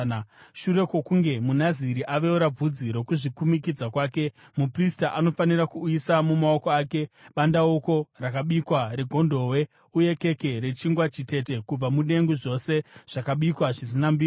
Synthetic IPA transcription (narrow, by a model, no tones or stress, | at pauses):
ʃuɾe̞kwo̞kuŋɡe̞munaziɾiʔaʋe̞uɾab͡vud͡ziɾo̞kuʐikumikid͡zakwaːke̞ | mupristaʔano̞fanirakuːisamumao̞ko̞aːke̞ɓandaoko̞rakaɓikwaɾeɡʱo̞ndo̞we̞ | uje̞ke̞ke̞ɾe̞t͡ʃiŋɡwat͡ʃite̞te̞kub͡vamuɗe̞ŋɡuʐo̞se̞ʐ̥akaɓikwaʐisinambiː